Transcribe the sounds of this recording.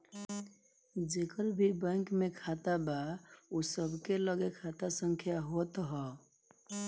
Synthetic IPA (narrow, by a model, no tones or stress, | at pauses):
d͡ʒekəɾbʱibɛ̃ŋkmekʰat̪abaosəbʱkeləɡekʰat̪asəŋkʰjaɦot̪ɦɔ